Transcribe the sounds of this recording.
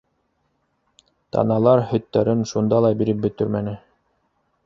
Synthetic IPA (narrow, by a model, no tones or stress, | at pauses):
t̪ɑ̰nɑlˠɑɾhɵ̆t̪ːæɾɘnʃund̪ɑlˠɑbiɾɘp̚bɵ̆t̪ɵɾmænɘ